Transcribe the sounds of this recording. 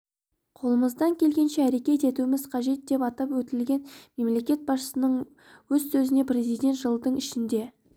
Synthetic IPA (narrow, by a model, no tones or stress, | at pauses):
qʰo̞lˠəməzd̪ɑŋkʲʰe̞lɡʲe̞nʃeæɾe̞kʲe̞t̪e̞t̪uɪmɪz̥qʰɑʒe̞t̪̚d̪e̞pɑt̪ɑpwɵt̪ɪlɡʲe̞nme̞mle̞kʲe̞t̪̚bɑsʃəsənəɴ | wɵzsɵzɪne̞pɾʲe̞zijd̪ʲe̞nt̪ʒ̥əlˠd̪əɴɪʃɪnd̪e̞